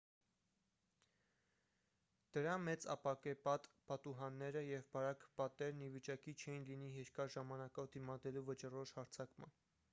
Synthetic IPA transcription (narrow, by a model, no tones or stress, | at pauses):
d̪̥əɾɑmɛt͡sɑ̰pɑkɛpɑt̪pɑt̪uɦɑnːɛɾəjɛvbɑɾɑkʰpɑt̪ɛɾnivit͡ʃɑkit͡ʃʰɛjinliniɦɛɾkɑʒɑmɑnɑkɔvd̪imɑd̪ɛluvət͡ʃərɔʃhɑɾt͡sʰɑkmɑ̰n